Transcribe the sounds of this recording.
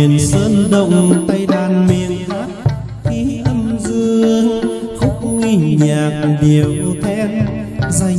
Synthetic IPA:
ənsəː˧˥nɗə̰˧˨wŋ͡mt̪a˧jlaː˧˩nmḭ˨˩ənt̪ʰa˦˥k̚ | xi˨˦ʔə˧mzɨ˧əəəŋxʊ˦˥k͡p̚ŋi˧˩ɲɲaː˨˩k̚ɗi˨˩əwɗɔ˧˩t̪ʰɛ˧nza˧

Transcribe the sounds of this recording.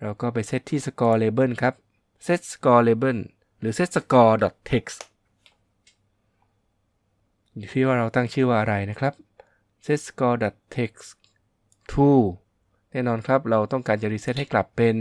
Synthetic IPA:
ɾa˧wkɔː˥˩p̬a˧jse˦˥t̪ʰːiː˥˩sa˧kɔː˧leː˧bɤ˥˩nkʰa˦˥p̚ | se˦˥t̪̚sḁ˧kɔː˧leː˧bɤ˥˩n | ɾɯː˩˦se˦˥t̪̚sa˧kɔː˧dɔ˨˩t̪ʰːe˦˥k̚s | uː˨˩tʰi˦˥˩waː˥˩ɾa˧wt̪a˥˩ŋt͡ɕʰɯː˥˩waː˥˩ʔa˧ɾa˧jna˦˥kʰɾa˦˥p̚ | se˦˥t̪̚sḁ˧kɔː˧dɔ˨˩t̪ʰːe˦˥k̚s | t̪ʰuː˧˩ | nɛː˥˩nɔː˧nkʰa˦˥p̚ɾa˧wt̪ɔ˥˩ŋkaː˧nt͡ɕa˨˩ɾiː˧˥se˦˥t̪̚ha˥jkla˨˩pːe˧n

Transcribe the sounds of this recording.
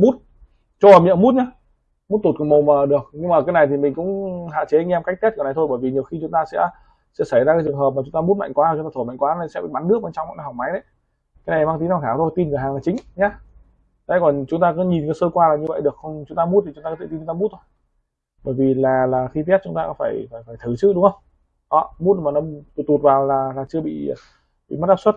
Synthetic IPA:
mu˦˥t̚ | t͡ɕɔ˧ə˨˩mḭ˧˨əmu˦˥t̚ɲaː˨˦ | mu˦˥t̚t̪o˨˩t̚kɔ˨˧˩mə˨˩wməː˨˩ɗɨ˨˩ək̚ɲɨ˧ŋmaː˨˩kaː˨˦jna˨˩jt̪ʰi˨˩mï˨˩ŋ̟kʊ̰˧˥ŋ͡mɦa̰ː˧˨t͡ɕe˨˦a˧jŋ̟ʔɛ˧mkk̚t̪ʰt̚kə˨˩na˨˩j̪tʰo˧jɓəː˧˩jvi˨˩ɲi˨˩əwxi˧t͡ɕʊ˨˦ŋ͡mt̪aː˧sɛ̰˧˥ | sɛ̰˧˥sa˧˩jzaː˧kaː˨˦jt͡ɕɨ˨˩əŋɦəː˨˩p̚ma˨˩ʊ˨˦ŋ͡mt̪aː˧mu˦˥t̚ma̰˧˨jŋkwaː˨˦a˨˩ʊ˦ŋ͡mt̪aː˧tʰo˧˩ma˧˨ŋkwaː˨˦na˨˧˩sɛ̰˧˥ɓḭ˧˨ɓa˨˦nɨ˦˥ək̚ɓe˧nt͡ɕa˧wŋ͡mma̰˧˨n˧˩ha˨˩wma˨˦jɗə˧˦j | kaː˨˦jna˨˩˨aː˦˥t̪i˨˦na˧˩kʰaː˧˩t̪ʰo˧jt̪i˧nvə˨˧˩aː˨˩ŋlaː˨˩t͡ɕï˨˦ŋɲa˧˦˨ | a̰˧˥jkɔ˨˩nt͡ɕʊ˨˦ŋ͡mt̪aː˧kɔ˨˦ɲi˨˩nkə˨˦səː˧kwaː˧laː˨˩ɲɨ˧və̰˧˨jɗɨ˨˩ək̚xə˧wŋ͡mt͡ɕʊ˨˦ŋ͡mt̪aː˧mu˦˥t̪i˨t͡ɕʊ˨˦ŋ͡mt̪a˧ɔ˧˦t̪ʰe˧˩ti˧˩t͡ɕʊ˨˦ŋ͡mt̪ːmu˦˥t̪̚ʰo˧j | ɓəː˧˩jvi˨˩laː˨˩laː˨˩xi˧t̪t̚t͡ɕʊ˨˦ŋ͡mt̪aː˧kɔ˨˦faː˧˩jfaː˧˩jfaː˧˩jt̪ʰɨ˧˩t͡ɕɨ̰˦˥ɗʊ˨˦ŋ͡mŋhə˧wŋ͡m | ʔɔ˨˦mu˦˥t̚maː˨˩nɔ˨˦t̪t̪u˨˩t̚vaː˨˩wlaː˨˩laː˨˩t͡ɕɨ˧əɓḭ˧˨ | ɓḭ˧˨ma˦˥t̚ʔaː˦˥pswə˦˥t̚

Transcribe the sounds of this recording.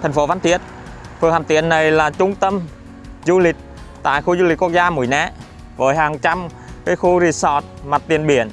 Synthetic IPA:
t̪ʰɛ˨˩ŋ̟fo˨˦vaː˨˦nt̪ʰi˦˥ət̚ | fɨ˨˩əŋhaː˨˩mt̪ḭ˧˨ənːa˨˩jlaː˨˩t͡ɕʊ˧ŋ͡mt̪ə˧m | zu˧lï˨˩k̟̚ | t̪a̰ː˧˨jxu˧zu˧li̟˨˩ku˧˥ək̚zaː˧mṵ˨˧˩əjnɛ˧˥ | vəː˨˦jɦaː˨˩ŋt͡ɕa˧m | kaː˨˦jxu˧zi˧˩sɔ˨˩t̚ma˨˩t̚t̪i˨˩ənɓi˧˩˦ən

